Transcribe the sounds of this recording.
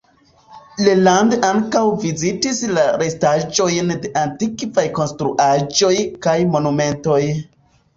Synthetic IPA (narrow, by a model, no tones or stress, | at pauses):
lelandaŋkawvizitislaɾe̞stad͡ʒo̞jnde̞ʔantikvajko̞nstɾṵʔad͡ʒo̞jkajmo̞nume̞nto̞j